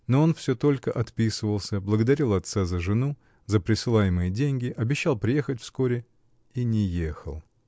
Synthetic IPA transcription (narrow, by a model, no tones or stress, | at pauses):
noo̞nfsʲɵt̪o̞lʲkəʔɐt̪pʲisɨvəlˠsʲəblˠəɡəd̪ɐɾʲilˠɐt̪sazəʐɨnu | zəpɾʲɪsɨlˠajɪmɨjədʲenʲɡʲɪʔɐbʲɪɕːalˠpɾʲɪje̞xətʲfsko̞ɾʲɪ | inʲɪjexə̰lˠ